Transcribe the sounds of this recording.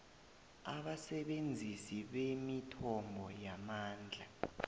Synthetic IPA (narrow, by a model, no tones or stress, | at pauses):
aɓasɛɓend͡zʱisiɓemitʰɔmbʱɔjamaːnd͡ɮʱa